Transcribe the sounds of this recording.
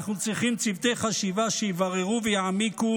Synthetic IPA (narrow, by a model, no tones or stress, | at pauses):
χnut͡sʁiχimt͡sivt̪ejχaʃivaʃejivaʁeʁuvɛjaʕamiku